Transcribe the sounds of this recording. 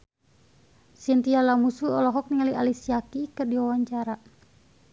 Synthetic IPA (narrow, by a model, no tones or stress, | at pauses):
sint̪ialamusuɔlɔɦɔk̚niŋaliʔalisiakikərdiwawaɲt͡ʃaɾa